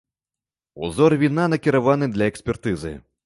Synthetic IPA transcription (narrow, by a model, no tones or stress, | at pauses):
ṵzɔrvʲinanɐkʲiɾavanɨd̪lʲɐɛksʲpʲɛrt̪ɨzɨ̰